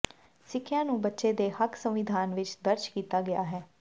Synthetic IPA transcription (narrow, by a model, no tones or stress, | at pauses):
sɪkʰːjãːnũːbətːʃeːd̪eːhəkʰsə̃mʋɪd̪ʱaːnʋɪt͡ʃd̪əɾd͡ʒkiːt̪aːɡɪa̰ːɦɛː